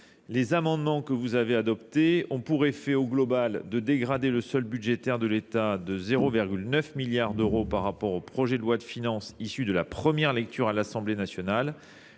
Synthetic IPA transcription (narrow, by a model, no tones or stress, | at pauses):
lezamɑ̃d̪mɑ̃kəvuzavead̪ɔpt̪eɔ̃puʁefɛoɡlɔbald̪əd̪eɡʁad̪eləsœlbydʒet̪ɛʁd̪əlet̪ad̪əzeʁoviʁɡʲylnœfmiljaʁd̪øʁopaʁːapɔʁopχɔʒɛd̪əlwad̪əfinɑ̃sisyd̪əlapχəmjɛʁlɛk̚t̪ʰyʁalasɑ̃blenasjɔnal